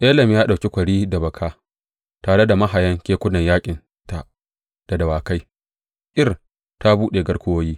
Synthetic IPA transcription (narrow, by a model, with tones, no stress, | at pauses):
ʔe˦lɐ˨mjaː˦ɗa˨wkʲe˦kʷɐ˨ɽiː˦da˨bɐ˨kʰaː˦ | taː˨ɽe˦da˨mɐ˦ɦa˨jɐ˦ŋkʲeː˦kʷʊ˦nɐ˨ɲjaː˦kʲʼɪ˨n | ta˨ʔ | d̥a˨dɐ˨waː˨ka˦j | ʔʲɪ˦r | ta˦buː˦ɗeː˨ɡɐ˦rkʷʊ˦woː˦jiː˦